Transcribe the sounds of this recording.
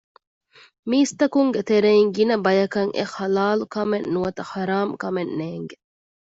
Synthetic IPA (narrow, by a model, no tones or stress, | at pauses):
miːst̪ɐkuŋɡet̪eɾeiŋɡinɐbɐjɐkɐŋʔḛxɐlaːlukɐmenːuɐt̪ɐxɐɾaːmkɐmenːeːŋɡe